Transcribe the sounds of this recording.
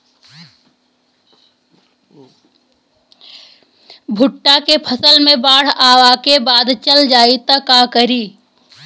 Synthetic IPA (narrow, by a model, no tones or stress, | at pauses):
bʱʊʈːakepʰəsəlmẽbaːɽ̤aːʋakebaːd̪t͡ʃəld͡ʒaːit̪əkakəɾiː